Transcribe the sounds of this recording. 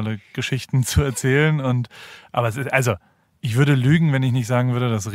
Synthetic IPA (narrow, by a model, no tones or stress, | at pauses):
ləɡ̥əʃɪçtn̩t͡suɛɐt͡sɛːlənʊntʔaːbɐɛsɪsʔalzo | ʔɪçv̥ʏɐɾəlyːɡŋ̩vɛnɪçnɪçtz̥aːɡŋ̩vʏɐɾədasʁ